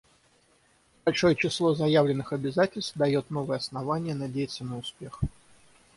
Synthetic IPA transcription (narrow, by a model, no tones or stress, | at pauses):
b̥ɐlʲʂo̞jət͡ɕɪslˠo̞zɐjavlʲɪnːɨxɐbʲɪzatʲɪlʲst̪vd̪ɐjo̞t̪no̞vəjəɐsnɐvanʲɪjənɐdʲejɪt̪sənəʊspʲe̞x